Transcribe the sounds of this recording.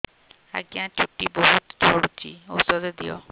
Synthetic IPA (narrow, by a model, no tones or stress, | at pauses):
a̰ɡiãt͡ʃʰuʈːibɔɦut̪d͡ʒʱɔɽut͡ʃio̰sɔɾed̪ijɔ̰